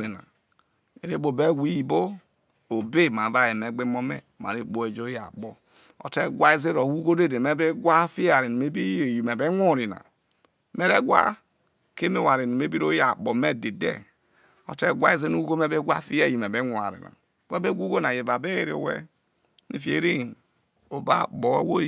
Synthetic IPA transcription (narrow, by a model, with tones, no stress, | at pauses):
ɾi˨na̰˨ | e˨ɾe˦bo˨be˦wi˦ji˨bo˦ | o˨be˦ma˨˦va˦je˨me˨ɡ͡be˦mo˦mḛ˦˨ma̰˨ɾe˦k͡po˦e˨d͡ʒo˦ja̰˨k͡po˦ | o̰˨te˦ɡʷa˦i˦ze˦ɾo˨hu˦ɡo˦de˦de˨me˦be˦ɡʷa˦fi˦ja˨ɾi˨nu˨me˦bi˦e˨ji˨me˨be˦ŋʷo˦˨ɾi˨na̰˨ | me˦ɾe˦ɡʷa̰˦ | ke˦me˦˨wa˨ɾi˨ni˨me˦bi˦ɾo˦ja˨k͡po˨me˦de˨dḛ˦ | o̰˨te˦ɡʷa̰˦i˦ze˦nu˦u˦ɡo˦me˦be˦ɡʷa̰˦fi˦ja˦˨ji˨me˨be˦ŋʷ˨a̰˨ɾḭ˨na̰˨ | we˦be˦ɡʷu˦ɡo˦na˨je˨ba˨be˦e˦ɾe˦˨o̰˨wḛ˦ | nḭ˦fi˦ḛ˨˦ɾi˦ | o˨ba̰˦bo˨wḛ˦wo˦